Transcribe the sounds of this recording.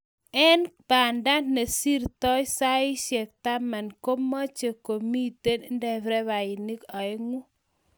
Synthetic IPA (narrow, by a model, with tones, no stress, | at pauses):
ɛ˦npa˨nda˦ne˨si˦ɾtɔ˦ɪ˦sa˦ɪ˦ʃjɛ˨k̚ta˦ma˨nko˦ma˦t͡ʃe˨ko˨mi˦te˦n˦ndɛ˨vɾɛ˦βa˨ɪ˨ni˦ka˨e˦ŋu˦